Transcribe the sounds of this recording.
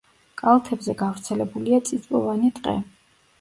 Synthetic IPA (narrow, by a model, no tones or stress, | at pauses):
kʼalˠt̪ʰɛbzɛɡavɾt̪sʰɛlɛbuliat̪sʼisʼpʼɔvanit̪ʼqʼɛ̰